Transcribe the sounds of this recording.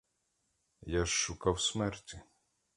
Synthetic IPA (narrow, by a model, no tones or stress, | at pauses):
jaʃːʊkawsmɛrtʲi